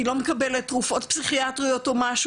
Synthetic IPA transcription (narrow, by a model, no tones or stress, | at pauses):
ilo̞mekɐbelettːʁufo̞tpsiχiatʁijo̞tomaʃ